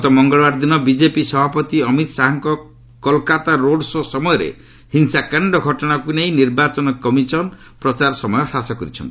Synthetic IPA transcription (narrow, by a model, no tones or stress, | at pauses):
t̪ɔmɔŋɡɔɭbaɾd̪inɔbid͡ʒepisɔbʱapɔt̪iɔmit̪ɔsaɦɔŋkɔ | kɔlkat̪aɾoɖsɔsɔmɔjɔɾḛ | hinsakaɳɖɔɡʱɔʈɔɽ̃akuneĩniɾbat͡ʃɔnɔkɔmisɔn | pɾɔt͡ʃaɾɔsɔmɔjɔsasɔkɔɾit͡ʃʰɔ̰nt̪i̥